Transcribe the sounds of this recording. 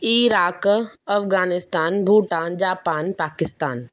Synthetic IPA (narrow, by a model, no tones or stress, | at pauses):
iːɾaːkɐfɣaːnɪst̪aːnbʱuːʈaːnd͡ʒaːpaːnpaːkɪst̪aːn